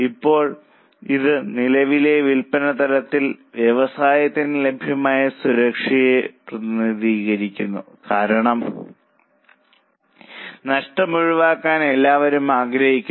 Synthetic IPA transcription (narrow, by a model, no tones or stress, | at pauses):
ipːo̞ːɭ | iðɨnilɐʋile̞ʋilpɐnɐt̪ɐɾɐt̪ːilʋjɐʋɐsaːjɐt̪ːinle̞bʱjɐmaːjɐsuɾɐkʂɐjeprɐðiniðiːɣɐɾikʲːunːṵ | kaːɾɐɳɐm | nɐʂʈɐmuɻuʋaːkːaːne̞lːaːʋɐɾumaːɡɾɐhikʲːu